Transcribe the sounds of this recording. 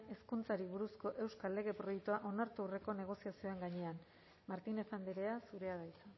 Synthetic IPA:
e̞skunt͡saɾiβuɾusko̞ʔe̞wskalːe̞ɣ̞e̞pɾo̞jekt̪uaʔo̞naɾt̪uwre̞ko̞ne̞ɣ̞o̞siasio̞e̞ŋɡaɲe̞an | maɾt̪ine̞fand̪eɾe̞asuɾe̞aðajt͡sa

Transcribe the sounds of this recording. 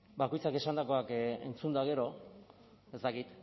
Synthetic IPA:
bako̞jt͡sake̞sand̪ako̞ake̞̰nt͡sund̪uaɣ̞e̞ɾo̞ | e̞st̪akit̪

